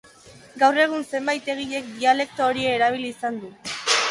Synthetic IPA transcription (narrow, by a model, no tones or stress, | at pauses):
ɡawre̞ɣ̞unse̞mbajt̪e̞ɣ̞iʎe̞k̚d̪iale̞k̚t̪ooɾieːɾaβ̞iliːsand̪u